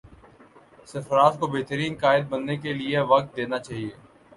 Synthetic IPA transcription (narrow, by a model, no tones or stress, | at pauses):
sɪfɾaːt̪kobeːɦt̪əɾiːnkaːɪd̪̚bɐnːek̬elieʋɐk̚t̪̚d̪eːnat͡ʃaːɦieː